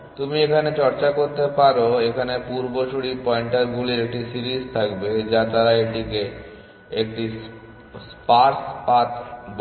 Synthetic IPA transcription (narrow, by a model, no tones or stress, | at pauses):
t̪umiekʰanet͡ɕɔɾt͡ɕakoɾt̪epaɾoekʰanepuɾboʃuɽipɔeɳʈaɾɡuliɾek̚ʈisiɾist̪ʰakbed͡ʑat̪aɾaeʈike | ekʈis | spaɾspat̪b